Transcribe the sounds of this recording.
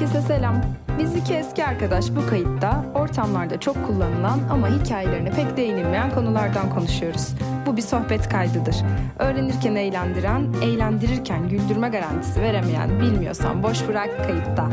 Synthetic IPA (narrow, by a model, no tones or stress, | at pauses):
cesese̞lʲæmbizlʲicʰiɛsciaɾkad̪aʃbukʰajɯt̪ːao̞ɾt̪ʰamlˠaɾd̪at͡ʃʰo̞kʰːulˠːanɯlˠanamaɦicʰaːjelʲe̞ɾinipʰɛcd̪ejinilʲme̞jænkʰo̞nulˠaɾd̪ankʰo̞nuʃujo̞ɾuz̥bubiso̞xbɛt̪kʰajd̪ɯd̪ɯɾ̥ø̞ːɾe̞niɾcʰænejlʲænd̪iɾænɛjlʲænd̪iɾiɾcʰænɟylʲd̪yɾmɛɡaɾant̪ʰi̥sive̞ɾemejæ̰nbilʲmijo̞̰sa̰nbo̞ʃbɯɾakkʰːajɯt̪ːa